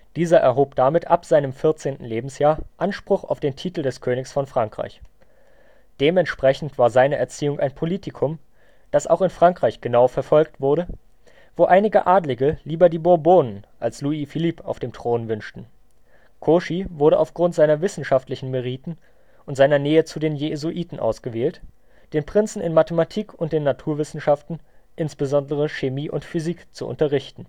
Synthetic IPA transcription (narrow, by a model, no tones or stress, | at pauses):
d̥iːzɐʔɛɐɦoːpd̥amɪtʰʔapz̥aɪnəmfɪɐt͡seːntn̩leːbm̩sjaːɐʔanʃpʁ̥ʊχa̰ʊfd̥eːntʰiːtl̩dɛskʰøːnɪçsfɔnfʁ̥aŋkʁ̥a̰ɪç | d̥eːmɛntʃpʁ̥ɛçn̩tv̥aːɐzaɪnəʔɛɐt͡siːʊŋʔa̰ɪnpʰoliːtʰɪkʰʊm | d̥asa̰ʊxɪnfʁ̥aŋkʁ̥aɪçɡ̥ənaʊfɛɐfɔlk̚tv̥ʊɐɾə | voːʔaɪnɪɡəʔaːdlɪɡəliːbɐdiːbʊɐboːnənʔalsluiːfiliːpʰa̰ʊfd̥eːmtʁ̥oːnvʏnʃtn̩ | kʰoːʃivʊɐɾəʔa̰ʊfɡ̥ʁʊntz̥aɪnɐvɪsn̩ʃaftlɪçn̩meʁ̞iːtn̩ | ʔʊntz̥aɪnɐnɛːət͡sudeːnjezuʔiːtn̩ʔa̰ʊsɡ̥əveːlt | d̥eːnpʁ̥ɪnt͡sn̩ɪ̰nmatəmatʰiːkʰʊnt̚d̥eːnːatʰuːɐvɪsn̩ʃaftn̩ʔɪnsb̥əzɔndəʁ̞əʃemiːʔʊ̰ntfyziːkt͡suʔʊ̰ntɐʁɪçtn̩